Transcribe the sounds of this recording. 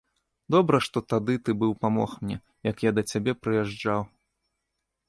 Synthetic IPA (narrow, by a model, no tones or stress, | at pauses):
d̪ɔbɾɐʂt̪ɔt̪ad̪ɨt̪ɨbɨwpamɔ̰xmnʲɛ̰ | jɐkjad̪ɐt͡sʲabʲɛpɾɨjɛʐd͡ʐaw